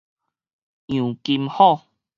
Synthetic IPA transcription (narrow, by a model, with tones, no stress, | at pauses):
jũ˨˩ki˧mhɔ˥˨